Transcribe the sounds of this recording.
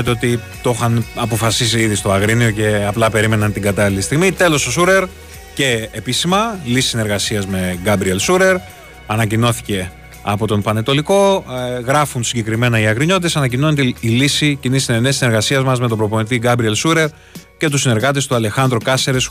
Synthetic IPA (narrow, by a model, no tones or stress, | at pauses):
et̪eo̞t̪i | t̪o̞xɐnɐpo̞fɐsis̬iiðist̪oɐɣɾinio̞ce̞ɐplɐpe̞ɾime̞nɐnt̪iɡɐt̪ɐlilist̪iɣmit̪e̞lo̞sosuɾe̞ɾ | ce̞ːpisimɐlisi̥sine̞ɾɣɐsiɐzme̞ɣɐbɾielsuɾe̞ɾ | ɐnɐcino̞θi̥ce̞ | ɐ̰po̞t̪o̞mpɐnet̪o̞liko̞ɣɾɐfunsiɲɟe̞kɾime̞nɐiɐɣɾiɲoit̪e̞sɐnɐc̬ino̞net̪iilisicinisinenesine̞ɾɣɐsiɐzmɐzme̞t̪obɾo̞ponit̪̬iɡɐbɾie̞lsuɾe̞ɾ | ce̞t̪usine̞ɾɣɐt̪̬est̪uɐle̞xɐnd̪ɾokɐseɾes